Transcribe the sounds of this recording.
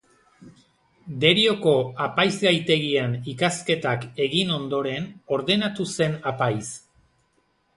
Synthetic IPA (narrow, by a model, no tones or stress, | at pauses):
d̪e̞ɾio̞ko̞apajzɡajt̪e̞ɣianikaske̞t̪ake̞ɣino̞nd̪o̞ɾe̞no̞ɾðe̞nat̪use̞napajs